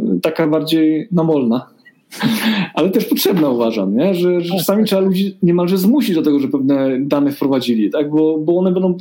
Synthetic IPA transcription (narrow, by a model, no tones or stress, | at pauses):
t̪akabaɾd͡ʑejnamɔlna | ʔalɛt̪ɛʂpɔtʂɛbnauvaʐa̰mɲɛʐɛʐɛɛʈ͡ʂasamʲitʂɛbalud͡ʑiɲɛmalʐɛzmuɕid͡ʑd̪ɔt̪ɛɡɔʐɛpɛvnɛd̪anɛfpɾɔvad͡ʑilʲit̪aɡ̚bɔbɔɔnɛbɛnd̪ɔ̃w̃